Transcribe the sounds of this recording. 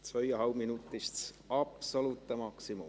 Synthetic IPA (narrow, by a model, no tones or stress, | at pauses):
sojɑɦɑwminut̪ːˑist̪s | ɑpsoluːt̪ˑːemɑksimṵ